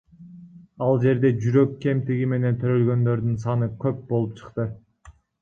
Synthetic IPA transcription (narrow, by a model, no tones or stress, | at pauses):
ɑlˠd͡ʒe̞ɾd̪e̞d͡ʒyɾø̞kːe̞mt̪iɡime̞ne̞nt̪ʰøɾø̞lɡø̞nd̪ø̞ɾd̪ynsɑnɯkʰʲøp̚bo̞lˠup̚t͡ʃʰɯ̥qt̪ɯ